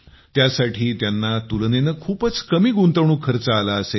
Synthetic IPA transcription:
t̪jasaʈʰiːt̪janːat̪ulnenəkʰuːpət͡skəmiːɡunt̪əʋɳ̃uːkʰəɾt͡səːlaəse

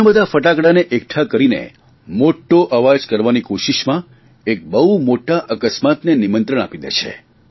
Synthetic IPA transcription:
abəd̪ʱafəʈakɽaneʔek̚ʈʰakəɾinḛ | moʈːoʔəʋad͡ʒkəɾʋanikoʃiʃmã | ek̚bəɦumoʈaʔəkəsmat̪nenimənt̪ɾəɳ̃a̰pid̪ḛt͡ʃʰḛ

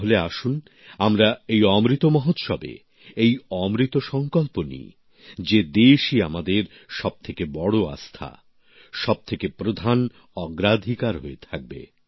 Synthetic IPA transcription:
ɦoleaʃun | amɾaejɔmɾit̪omɔɦot̪ʃɔ̰bḛ | ejɔmɾit̪oʃɔŋkolponḭ | d͡ʑed̪eʃiamad̪eɾ | ʃɔb̚t̪ʰekebɔɽoa̰st̪ʰa̰ | ʃɔb̚t̪ʰekepɾod̪ʱan | ɔɡɾad̪ʱikaɾɦoet̪ʰak̚bḛ

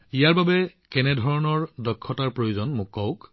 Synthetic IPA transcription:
ijaɹbabɛ | kɛnɛdʱɔɹɔnɔɹdɔkʰːɔtaɹpɹojuzɔnmʊkːɔwk

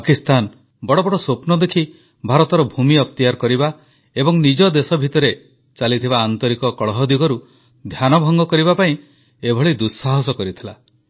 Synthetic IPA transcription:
akist̪an | bɔɽɔbɔɽɔsopnɔd̪ekʰi | bʱaɾɔt̪ɔɾɔbʱumiɔkt̪ijaɾkɔɾiba | ebɔŋnid͡ʒɔd̪esɔbʱit̪ɔɾe | t͡ʃalit̪ʰibaːnt̪ɔɾikɔkɔɭɔɦɔd̪iɡɔɾu | d̪ʱjanɔbʱɔŋɡɔkɔɾibapaĩ | ebʱɔɭid̪usaɦɔsɔkɔɾit̪ʰila

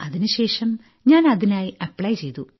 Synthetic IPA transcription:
ɐðinuɕe̞ːʂɐm | ɲaːnɐðinaːjiɐpːɭɐjt͡ɕe̞jt̪u

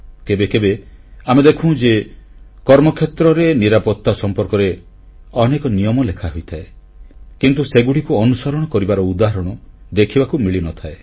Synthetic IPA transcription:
kebekebeamed̪ekʰũw̃d͡ʒe | kɔɾmɔkʰet̪ɾɔɾeniɾapɔt̪ːasɔmpɔɾkɔɾe | ɔnekɔnijɔmɔlekʰaɦojt̪ʰae | kint̪useɡuɽikuɔnusɔɾɔɽ̃ɔkɔɾibaɾɔud̪aɦɔɾɔɽ̃ɔ | d̪ekʰibakumiɭinɔt̪ʰae

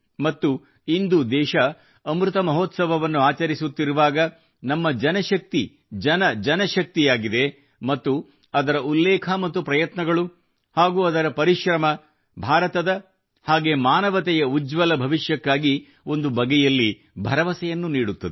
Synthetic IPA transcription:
mɐt̪ːu | ind̪ud̪ɛːʃɐː | mɾut̪ɐmɐɦoːt̪sɐʋɐʋɐnːuaːt͡ʃɐɾisut̪ːiɾuʋaːɡɐ | nɐmːɐd͡ʒɐnɐʃɐk̚t̪i | d͡ʒɐnɐd͡ʒɐnɐʃɐk̚t̪ijaːɡid̪e̞ | mɐt̪ːu | ɐd̪ɐɾɐulːɛːkʰɐmɐt̪ːupɾɐjɐt̪nɐɡɐɭu | haːɡuːɐd̪ɐɾɐpɐɾiʃɾɐmɐ | bʱaːɾɐt̪ɐd̪ɐ | haːɡe̞ːmaːnɐʋɐt̪ɛjɐud͡ʒʋɐlɐbʱɐʋiʃjɐkːaːɡi | o̞nd̪ubɐɡɛjɐlːi | bʱɐɾɐʋɐsɛjɐnːuniːɽut̪ːɐd̪e

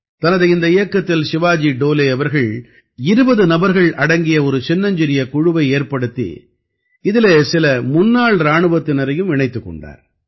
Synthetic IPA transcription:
t̪ɐnɐðɐɪɪnd̪ɐɪjɐkːɐt̪ːɪlsɪʋaːd͡ʒiɖoːleːɐʋɐɾɣɐɭ | ɪɾɯbɐðɯnɐbɐɾɣɐɭɐɽɐŋɡɪjɐɔɾɯt͡ʃɛnːɐɲd͡ʒɪɾɪjɐkʊɻɯʋɐɪeːɾpɐɽɯt̪ːḭ | ɪðɪleːsɪlɐmʊnːaːɭɾaːɳɯʋɐt̪ːɪnɐɾɐjɯmɪɳɐɪt̪ːɯkːɔ̰ɳɖa̰ːɾ

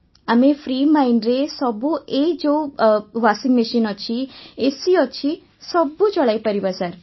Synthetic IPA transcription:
amefʰɾiːmainɾesɔbued͡ʒoʋasɪ̃ŋɡmiʃinɔt͡ʃʰiesiɔt͡ʃʰi | sɔbut͡ʃɔɭaipəɾibasaɾ

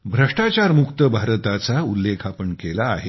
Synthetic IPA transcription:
bʱɾəʂʈat͡ɕaɾmukt̪əbʱaɾt̪at͡saulːekʰapəɳkela̰ːɦe

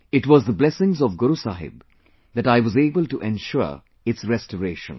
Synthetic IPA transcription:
ɪʈwɔzd̪əblɛsɪ̃ŋzɔvɡʊɾusaɦɪ̰b | d̪æʈaɪʋɔzeːbəlʈuʔɛ̃nʃʊ | ɪtsɾɛstəɾeːʃə̰̃n

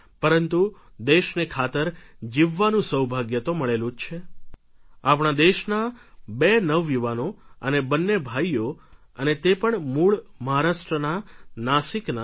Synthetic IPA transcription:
pəɾənt̪u | d̪eʃnekʰat̪əɾd͡ʒiʋːanũsəwbʱaɡjət̪oməɭelũd͡ʒt͡ʃʰe | apɳad̪eʃnabenəʋːjuʋanoənebənːebʱaijjo | ənet̪epəɳmuɭməɦaɾaʃʈɾənanaʃikna

